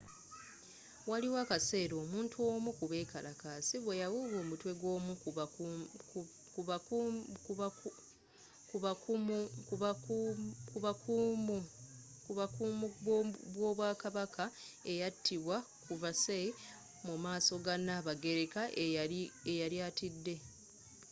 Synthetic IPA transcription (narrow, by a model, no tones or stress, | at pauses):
waliwakase̞ːɾo̞ːmuːntʰuo̞ːmukuβe̞ːkalakaːsiβwejawoːβwoːmutwe̞ɡoːmu | ka | kuβauk | kuβakumu | kuβakumuβwo̞ːβwaːkaβakʰa | e̞jatʰːiβwa | kuvase | mumaːso̞ɡanaβaɡe̞ɾe̞kaʔeiejaɾjaːtidːe̞